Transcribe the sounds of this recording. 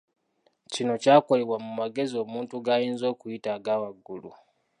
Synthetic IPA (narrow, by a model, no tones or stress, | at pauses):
cino̞caːko̞le̞βwamumaɡe̞zio̞ːmuːntuɡaːjiːnzo̞ːkujitaɡaːwaɡːulṵ